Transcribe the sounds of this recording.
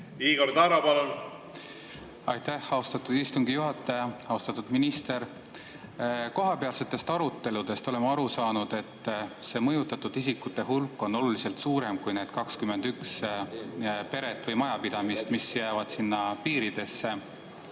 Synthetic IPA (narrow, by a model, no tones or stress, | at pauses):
iːɡort̪ɑɾɑpɑlun | ɑjt̪æhɑost̪ɑt̪ːˑud̪̥ist̪uŋɡijuɦɑt̪ːˑɑjɑɑost̪ɑt̪ːˑud̪̥minist̪e̞ɾ | koɦɑpe̞ɑlse̞t̪ːˑe̞st̪ɑɾut̪ːe̞lud̪̥e̞st̪o̞le̞mɑɾusɑːnud̪̥e̞t̪ːˑse̞ːmɤjut̪ːˑɑt̪ːud̪̥isikːut̪ːˑe̞ɦulkːˑo̞nːo̞lulise̞lt̪suːɾe̞mkujne̞ːd̪̥kɑkskyme̞nd̪̥yks | pe̞ɾet̪ːˑvɤjmɑjɑpid̪̥ɑmist̪misjæːvɑd̪̥sinːɑpiːɾid̪e̞sːe̞